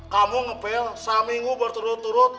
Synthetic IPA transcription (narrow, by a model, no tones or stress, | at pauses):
kamuŋəpeɔsamiŋɡubərt̪uɾʊt̪ːuɾʊt̪̚